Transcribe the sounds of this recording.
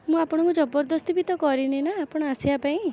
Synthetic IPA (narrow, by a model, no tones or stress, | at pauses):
mũapɔɽ̃ɔ̃ŋkud͡ʒɔbɔɾd̪ɔst̪ibit̪ɔkɔɾinenaːpɔɽ̃ɔasiapaĩ